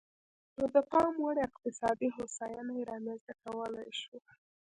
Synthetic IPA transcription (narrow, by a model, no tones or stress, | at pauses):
nəd̪əqɑmwaɽɪqt̪ɪsɑd̪iɦosɑjɑnajeɾɑmenzt̪akawəlajʃu